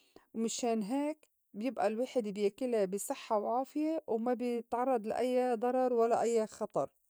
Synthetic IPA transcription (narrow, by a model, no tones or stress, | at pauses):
wmɪʃeːnɦeːk | bjɪbʔalwaːħɪd̪bjakɪlabɪsˤɨħːawʕaːfɪjewmabɪt̪ʕɑrˤːɑd̪ˤlaʔajːad̪ˤɑɾˤɑɾˤwalːaʔajːaxɑt̪ˤɑɾˤ